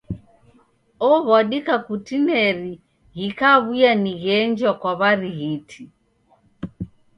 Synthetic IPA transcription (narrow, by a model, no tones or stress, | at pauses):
ɔβwaɗikakutinɛɾi | ɣikaβujaniɣɛnd͡ʒwakwaβaɾiɣitʰi